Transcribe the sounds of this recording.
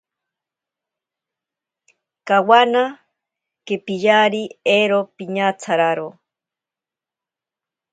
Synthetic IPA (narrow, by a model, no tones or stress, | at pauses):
kawana | kepiʎaɾieɾopiɲat͡sʰaɾaɾo